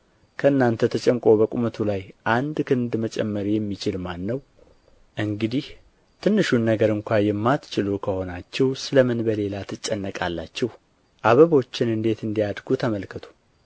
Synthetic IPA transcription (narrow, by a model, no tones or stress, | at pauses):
kʰəɨnːant̪ʰət̪ʰət͡ʃʼɛmkʼo̞bəkʼumət̪ʰulajʔand̪kʰɨnd̪mət͡ʃʼɛ̰mːəɾjɛmːit͡ʃɪlmanːəw | ʔɨŋɡɨd̪ih | t̪ʰɨnːɨʃunːəɡəɾɨŋkʷajɛmːat̪t͡ʃɪlukʰəho̞nat͡ʃːɛwsɨləmɨnbəle̞lat̪ʰɨt͡ʃʼːɛnːəkʼalːa̰t͡ʃːɛh | ʔaβəβo̞t͡ʃːɪnɨnd̪e̞t̪ɨnd̪ijad̪ɡut̪ʰəməlkʰət̪ʰu̥